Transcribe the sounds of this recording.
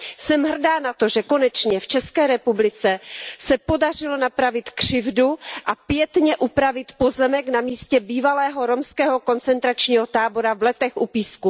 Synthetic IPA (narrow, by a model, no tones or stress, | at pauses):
sɛmɦr̩daːnat̪o̞ʒɛko̞nɛt͡ʃɲɛft͡ʃɛskɛːɾɛpublɪt͡sɛsɛpo̞dar̝ɪlo̞napɾavɪt̪kr̝̥ɪvduʔapjɛt̪ɲɛʔupɾavɪt̪po̞zɛmɛknamiːscɛbiːvalɛːɦo̞ɾo̞mskɛːɦo̞ko̞nt͡sɛnt̪ɾat͡ʃɲiːɦo̞t̪aːbo̞ɾavlɛt̪ɛxʔupiːsku